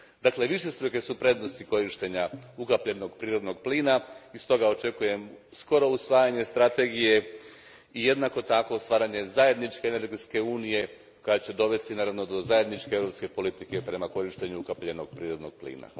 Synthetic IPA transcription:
d̪akle̞ʋiʃe̞st̪ɾuke̞supɾe̞d̪nost̪iko̞ɾiʃt̪e̞ɲaukapʎeno̞ɡpɾiːɾo̞d̪no̞ɡ̚pliːnaist̪o̞ɡao̞t͡ʃe̞kuje̞m | sko̞ɾo̞usʋaːjaɲe̞st̪ɾat̪e̞ɡije̞ | ije̞d̪nako̞t̪ako̞st̪ʋaːɾaɲe̞zaje̞d̪nit͡ʃkeːneɾɡet̪ske̞uːnije̞ | kojat͡ɕe̞d̪o̞ʋe̞st̪inaːɾaʋno̞d̪o̞zaje̞d̪nit͡ʃkeeʋɾopske̞po̞lit̪ike̞pɾe̞mako̞ɾiʃt̪eɲuukapʎeno̞ɡ̥̚pɾiːɾo̞d̪no̞ɡ̚plḭːna̰

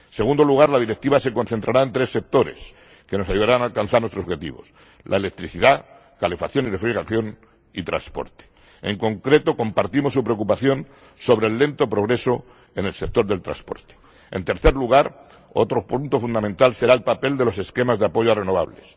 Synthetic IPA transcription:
se̞ɣund̪o̞luɣ̞aɾlaðiɾe̞k̚t̪iβase̞ko̞nθe̞nt̪ɾaɾaent̪ɾe̞sːe̞k̚t̪o̞ɾe̞̰s | ke̞no̞sajuðaɾanaːlkanθaɾnwet̪os̬βxet̪ḭβo̞̰s | lʔa̰ele̞k̚t̪ɾiθiða | kalefaθjo̞nire̞fɾiɣaθjo̞n | it̪ɾa̰nspo̞̰ɾt̪e̥ | ḛŋko̞ŋkɾe̞t̪o̞ko̞mpaɾt̪imo̞sːupɾe̞ok̬upaθjo̞n | so̞βɾeːlːe̞nt̪o̞pɾo̞ɣ̞ɾe̞so | enelsek̚t̪o̞ɾðe̞lt̪ɾa̰spo̞̰ɾt̪e̥ | ent̪e̞ɾθe̞ɾluɣ̞aɾ | o̞̰t̪ɾopunt̪o̞fund̪amẽ̞nt̪alse̞ɾaelpape̞ld̪e̞lo̞se̞ske̞mazðeapo̞ʝoare̞noβa̰βle̞s

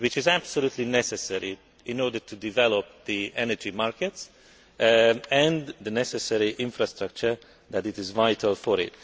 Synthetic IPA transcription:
wɪt͡ʃɪzæb̥soluːt̪ʰlinɛsɛsɛɹi | ɪ̃nɔdətʰudivɛlop̚d̪iʔɛnəd͡ʒimaɹkɛts | ɛ̃nd̪ənɛsɛsɛɹiʔɪ̃ɱfɹast̪ɾʌk̚t͡ʃəɹ | ðætɪtɪzvajtʰəlfɔɾɪ̰t̚

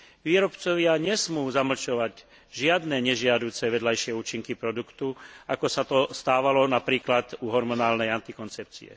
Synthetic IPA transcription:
ʋiːɾɔpt͡sɔʋɪaɲɛsmuːzaml̩t͡ʃɔʋaɟ | ʒɪad̪nɛɲɛʒɪad̪uːt͡sɛʋɛd̪lajʃɪɛuːt͡ʃiŋkipɾɔd̪ukt̪uakɔsat̪ɔst̪aːʋalɔnapɾiːklad̪uɦɔɾmɔnaːlnɛjant̪ikɔnt͡sɛp̚t͡sḭɛ̰

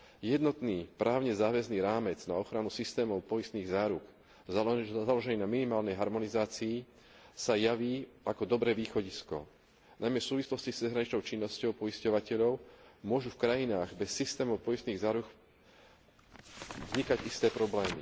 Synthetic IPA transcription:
jɛd̪nɔt̪niːpɾʔaːʊɲɛzaːʋɛzniːɾaːmɛd͡znaɔxɾanusist̪ɛːmɔʊpɔjist̪niːɣzaːɾuk | zalɔʒɛniːnaminimaːlnɛjɦaɾmɔnizaːt͡siː | sajaʋiːʔakɔd̪ɔbɾɛːʋiːxɔɟiskɔ̰ | najmjɛsuːʋislɔscist͡sɛzɦɾaɲit͡ʃnɔʊt͡ʃinːɔscɔʊpɔiscɔʋacɛʎɔʊmʊɔʒufkɾajinaːɣbɛsːist̪ɛːmɔʊpɔjist̪niːɣzaːɾuk | vzɲikaɟist̪ɛːpɾɔblɛːmḭ

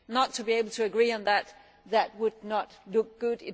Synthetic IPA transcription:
nətʰːɨbieɪbl̩ˠtʰɨːɡɹiɨ̃nðæt̪̚ | ðæt̚wədnətlʊk̚ɡ̥ʊɾɪ̃

